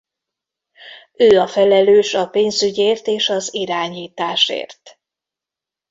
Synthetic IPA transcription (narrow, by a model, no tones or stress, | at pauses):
øːɒfɛlɛløːʃɒpeːnzyɟeːrt̪eːʃɒziɾaːɲiːt̪aːʃḛːrt̪